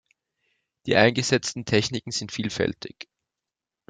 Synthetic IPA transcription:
d̥iːʔaɪnɡəzɛt͡stn̩tʰɛçnɪkŋ̩z̥ɪntfiːlfɛ̰ltʰɪç

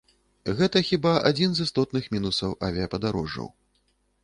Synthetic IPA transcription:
ɣɛt̪ɐxʲibaʔa̰d͡zʲinzɨst̪ɔt̪nɨxmʲinusɐwʔavʲiɐpɐd̪aɾɔʐːɐ̰w

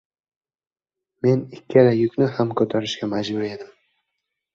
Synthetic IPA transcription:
me̞nɪkʲːeɾajʊkʲnɪhamkʲʰɵt̪ʰaɾɪʃɡʲamad͡ʒbʊɾe̞d̪ɪm

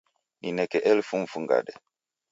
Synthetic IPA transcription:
ninɛkɛʔɛlfuɱ̩fuŋɡa̰ɗɛ

